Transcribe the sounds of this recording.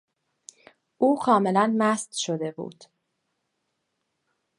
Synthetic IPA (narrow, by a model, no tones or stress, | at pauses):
ʔuːkʰɒːme̞lænmæst̪ʃod̪e̞bṵːd̪̥